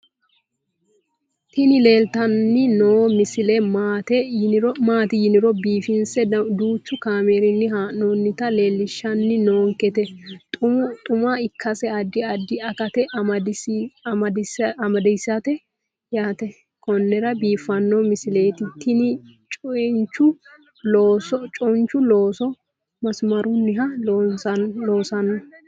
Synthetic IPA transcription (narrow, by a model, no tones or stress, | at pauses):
t̪ɪnɪleːlt̪ɐnːɪnoːmɪsɪlemat̪ɛmaːt̪ɪjɪnɪɾɔbiːfɪnsɛd̪uːt͡ʃːʊkaːmeːɾɪnːɪɦaːʔnonːɪt̪ɐle̞ːlːɪʃːɐnːɪnoːŋkɛt̪ɛt̪ʼʊt̪ʼʊmaːɪkʰːɐsɛɐd̪ɪɐd̪ɪɐkɐt̪ɛd | ɐd̪ɪɐmɐd̪ɛjsɐt̪ɛ | jaːt̪ɛ | kʰɔnːɛɾɐbiːfːɐnːɔmɪsɪle̞ːt̪ɪt̪ːɪnt͡ʃʼɔɛnt͡ʃːʊ | loːsɔt͡ʃʼɔnt͡ʃʊlo̞ːsɔ | mɐsmɐɾʊnːɪɦɐolo̞ːsɐnːɔ